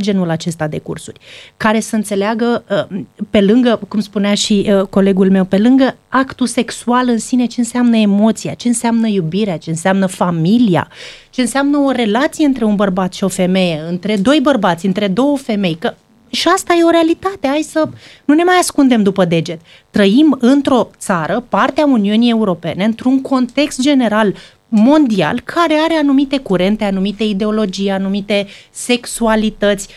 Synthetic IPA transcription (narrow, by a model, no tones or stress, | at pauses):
d͡ʒe̞nulat͡ʃe̞st̪ad̪e̞kṵrsurʲkaɾe̞səɨnt̪se̞leaɡəəpe̞lɨŋɡəkumspuneaʃiko̞le̞ɡulme̞wpe̞lɨŋɡəakt̪use̞ksualɨnsine̞t͡ʃe̞ɨnseamnəe̞mo̞t̪sia̰t͡ʃe̞ɨnsamnəjubiɾeat͡ʃe̞ɨnseamnəfamilija̰t͡ʃe̞ɨnseamnəo̞ɾe̞lat̪sijeɨnt̪ɾe̞unbərbat̪ʃio̞fe̞me̞jeɨnt̪ɾe̞d̪o̞jbərbat̪sʲɨnt̪ɾe̞d̪o̞wəfe̞me̞jkə | ʃiast̪aje̞o̞ɾe̞alit̪at̪e̞ajsənune̞majaskund̪e̞md̪upəd̪e̞d͡ʒe̞t̪ | t̪ːɾəimɨnt̪ɾo̞t̪saɾəpart̪eauniunie̞uɾo̞pe̞ne̞ɨnt̪ɾuŋko̞nt̪e̞kst̪̚d͡ʒe̞ne̞ɾal | mo̞nd̪ia̰lkʰaɾe̞aɾe̞anumit̪e̞kuɾe̞nt̪e̞anumit̪eid̪e̞o̞lo̞d͡ʒijanumit̪e̞se̞ksualit̪ət̪sʲ